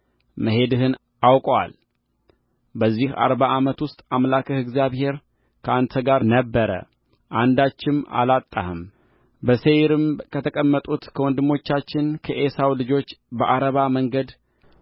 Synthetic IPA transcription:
məɦe̞d̪ɨɦɨn | ʔawkʼwa̰l | bəzːiha̰ɾbaʔamət̪wʊst̪ʼamlakʰɨhɨɡzjaβhe̞ɾ | kʰəant̪ʰəɡaɾnəbːəɾə̰ | ʔand̪at͡ʃːɪma̰lat̪ʼːa̰hɨm | bəsejɾɨmkʰət̪ʰəkʼəmːət̪ʼut̪kʰəwɔnd̪ɨmːo̞t͡ʃːat͡ʃːɪnkʰəʔesawlɨd͡ʒo̞t͡ʃːbəʔaɾəβaməŋɡəd̪

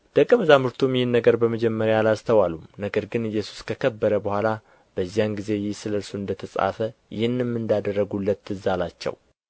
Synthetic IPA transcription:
d̪̥əkʼːəməzamɨɾt̪ʰumjɪhɨnːəɡəɾbəməd͡ʒɛmːəɾjaalast̪ʰəwalumnəɡəɾɡɨnɨjːɛsu̥skʰəkʰəbːəɾəbəhʷala | b̥əzːijanɡize̞jɪhsɨləlsoɨnd̪ət̪ʰəsʼa̰fəjʔɪhɨnːɨmːɨnd̪ad̪ərːəɡulːət̪ːɨzalat͡ʃːɛ̰w

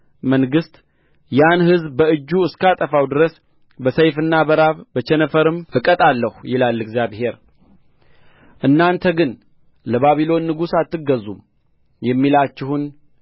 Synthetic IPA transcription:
məŋɡɨst̪ | janhɨzbbəɨd͡ʒːuɨskat̪ʼəfawd̪ɨɾəs | bəsəjfɨnːabəɾaβbət͡ʃɛnəfəɾɨmfɨkʼət̪ʼalːəhjɪlalːɨɡzjaβhe̞ɾ | ʔɨnːant̪ʰəɡɨn | ləβaβilo̞nːɨɡusat̪ːɨɡːəzum | jɛmːilat͡ʃːɪhun

